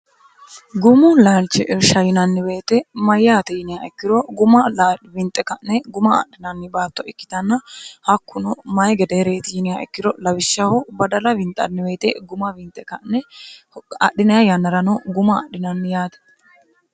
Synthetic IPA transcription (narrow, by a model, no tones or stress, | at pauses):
ɡʊmʊlaːlt͡ʃːɛʔɾʃɐjɪnɐnːɪwe̞ːt̪ɛmɐjːaːt̪ɪjɪnɪjaɛkːɪɾɔɡʊmɐlbɪnt̪ʼːɛkɐʔnɛɡʊmɐ̰ɗɪnɐnːɪbaːt̪ːɔʔɪkːɪ̥t̪ɐnːɐhɐkːʊnʊmɐjɡɛd̪ɛhɾe̞ːt̪ɪjɪnɪjaʔɛkːɪɾɔlɐbɪʃːɐhɔbɐd̪ɐlɐbɪnt̪ʼɐ̰nːɪwe̞ːt̪ɛɡʊmɐbɪnt̪ʼɛkɐnːɛ | ɐ̰ɗɪnɐjajɐnːɐɾɐnɔɡʊmɐ̰ːɗɪnɐnːɪjaːt̪ɐ̥